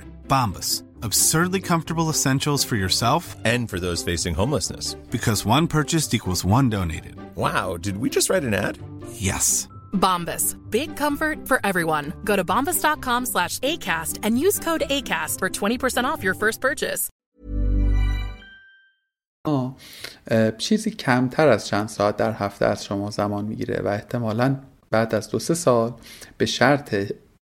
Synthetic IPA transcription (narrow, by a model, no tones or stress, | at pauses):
b̥ɑ̃mbəs | əb̥sɜ˞dˡlikʰʌ̃ɱftə˞bl̩ˠəsɛ̃nʃl̩ˠz̥fə˞jə˞sɛlˠfɨ̃nfə˞ðoʊz̥feɪsɪ̃ŋɦõʊ̃mləsnɨ̰sb̥ɨkʰʌzwʌ̃npʰɜ˞t͡ʃɨstikʰwl̩ˠzwʌ̃ndõʊ̃nḛɪɾɨ̰d̥̚waʊdɨd̚wid͡ʒʌst̚ɹaɪɾɨ̃næ̰d̥jɛ̰s | bɑ̃mbɨsb̥ɪɡ̚kʰʌ̃ɱfə˞tfə˞ʔɛvɹiwʌ̃nɡoʊɾɨbɑ̃mbəsd̥ɑt̚kʰɑ̃mslæʃeɪkʰæstɨ̃njʉz̥kʰoʊɾeɪkʰæstfə˞tʰw̥ɛ̃ɾ̃ipʰə˞sɛ̃ɾ̃ɔfjɔ˞fɜ˞st̚pʰɜ˞t͡ʃɪ̰s | mɒː | t͡ʃʰiːziːcʰæmt̪ʰæɾæz̥t͡ʃʰænd̪̥sɒːæt̪̚d̪æɾhæft̪ḛæz̥ʃomɒːzæmɒːnmḭːɟḭːɾḛvæ̰e̞ht̪ʰe̞mɒːlæn | b̥æːd̪æzd̪ose̞sɒːlb̥e̞ʃæɾt̪ʰe